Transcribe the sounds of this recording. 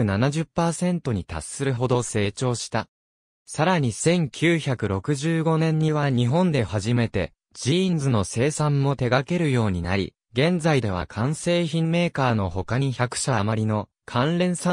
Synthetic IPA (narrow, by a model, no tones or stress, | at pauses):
ɯ̟nanaʑɨpːaːsẽ̞nt̪o̞ɲ̟it̪a̰sːɨɾɯ̟ɦo̞d̪o̞se̞ːt͡ɕo̞ːɕi̥t̪a | saɾaɲ̟isẽ̞ŋkʲʰɨːçakɯ̟ɾo̞kɯ̟ʑɨːɡo̞nẽ̞ɲ̟ːiβaɲ̟iɦõ̞nd̪e̞haʑime̞t̪e̞̰ | d͡ʑĩnd͡zɨno̞se̞ːsãmːo̞t̪e̞ɡake̞ɾɯ̟jo̞ːɲ̟ina̰ɾʲḭ | ɡẽ̞nd͡zaid̪e̞βa̰kʰãɰ̃se̞ːçĩmme̞ːkaːno̞ho̞kaɲ̟içakɯ̟̥ɕamaɾʲino̞ | kʰãnɾẽ̞ɰ̃sã